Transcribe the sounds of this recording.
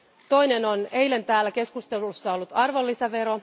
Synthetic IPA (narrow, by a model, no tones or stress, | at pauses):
t̪o̞jne̞no̞ne̞jle̞nt̪æːlːæke̞skust̪e̞lusːɑolːut̪ɑrʋo̞lːisɑʋe̞ɾo̞